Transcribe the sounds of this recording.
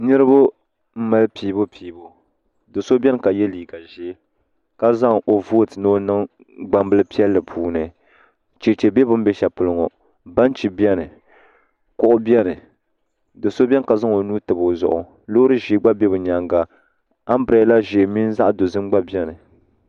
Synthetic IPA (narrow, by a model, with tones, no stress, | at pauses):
nɨ˦ɾɨ˦bʊ˦ | m̩˦ma˨lpiː˨˦bo˦piː˨bo˦ | dɨ˨so˦bʲɛ˦n˨ka˨jɛ˦liː˨ɡa˨ʒi˦ | ka˦za˦ŋʔo˨voː˦tɨ˨no˦nɨ˦ŋ | ɡ͡ba˨mbɨ˦lɨ˦pi˦ɛ˦lːɨ˨pʰuː˨nɨ˨ | t͡ʃe˨t͡ʃe˨bɛ˦bʊ˦m˦bɛ˦ʃɛ˨pʊ˨lɨ˦ŋɔ˨ | ba˦n˦t͡ʃi˨bjɛ˦nɨ˨ | kʊ˨ʔʊ˦bjɛ˦nɨ˨ | dɨ˨so˦bʲɛ˦n˨ka˨za˦ŋo˨nuː˦tɨ˨bo˨zʊ̰˨ʔʊ˨ | lo˦ɾɨ˦ʒi˨˦ɡ͡ba˦bɛ˦bɨ˨ɲa˨ŋɡa˨ | a˦m˦bɨ˨ɾa˨˦la˦ʒe˨mi˦n˦za˦ʔdo˨zɨ˦m˦ɡ͡ba˦bɛ˦nɨ˨